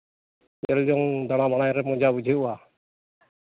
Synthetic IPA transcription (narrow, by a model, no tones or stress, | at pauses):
ɛld͡ʒɔŋd̪aɽ̃abaɽ̃ajɾɛmɔd͡ʒabud͡ʒʱəua